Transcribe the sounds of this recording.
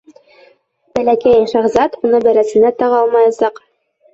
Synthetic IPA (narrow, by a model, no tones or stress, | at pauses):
b̥ælækæjʃɑʁzɑt̪unɤbælæsɘ̆næt̪ɑʁɑlˠmɑjɑsɑq